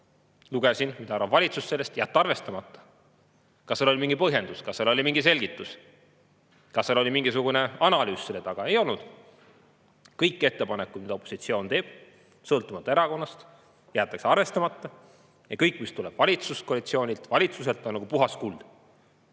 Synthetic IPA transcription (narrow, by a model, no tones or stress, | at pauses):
luɡ̥esinmitd̪ɑɑɾvɑvvɑlʲit̪susse̞lːest̪jæːt̪ːɑrve̞st̪ɑmɑt̪ˑːɑ̥ | kɑselo̞limiŋɡ̥ipɤɦje̞nd̪uskɑsːelo̞lʲimiŋɡise̞lʲɡit̪ːˑus | kɑselo̞lʲimiŋɡisuɡ̥une̞ɑnɑlyːsselet̪ɑɡ̥ɑejo̞lnud̪̥ | kɤjkːe̞t̪ːe̞pɑnekːˑut̪mid̪ɑo̞pːˑo̥sit̪sio̞ːnt̪e̞ːb̥̚ | sɤlt̪ːˑumɑt̪ˑːɑeɾɑko̞nːɑst̪ | jæːt̪ːˑɑkseɑrve̞st̪ɑmɑt̪ːˑɑ | jɑkɤjkːˑmist̪ulɛb̥vɑlʲit̪susko̞ɑlit̪sio̞ːnʲilt̪vɑlʲit̪suse̞lt̪ːˑonːɑɡ̥upuɦɑskul̥ː